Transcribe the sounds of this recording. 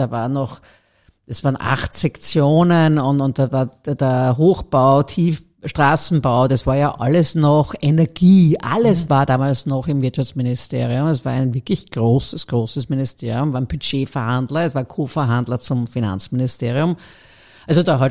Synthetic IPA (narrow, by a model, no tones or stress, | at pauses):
d̥aːvaːɐnɔx | d̥asv̥aːɐənʔa̰xtsɛkt͡sjoːnənʊntʊnt̚d̥aːvaːɐd̥eɐɦoːxb̥aʊtʰiːf | ʃtʁ̥aːsn̩baʊdasv̥aːɐjaːʔaləsnɔxɛnɛɐɡ̥iːʔa̰ləsvaːɐdaːmaːlsnɔχɪmvɪɐtʃaft͡smɪnɪstʰḛːʁiʊmɛs̬v̥aːɐæɪnvɪɐklɪçɡ̥ʁoːsəsɡ̥ʁoːsəsmɪnɪstʰeːɐʁiʊ̃mvaːɐnb̥yd͡ʒeːfɛɐhandlɐɛsvaːɐkʰoːfɛɐɦandlɐt͡sʊmfina̰nt͡smɪnɪsteːʁiʊm | ʔalzodaːɦa